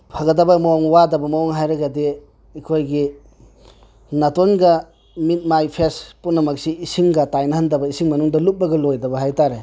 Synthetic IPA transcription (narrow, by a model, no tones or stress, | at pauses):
pʰaɡɐdɐbɐmaɔŋwadɐbɐmaɔŋɦajɾɐɡɐdi | ikʰojɡi | nɐtonɡɐ | mit̚majpʰespunːɐmɐk̚siːsiŋɡɐtajnɐhandɐbɐisiŋmɐnuŋdɐlup̚bɐɡɐlojdɐbɐɦajtaɾe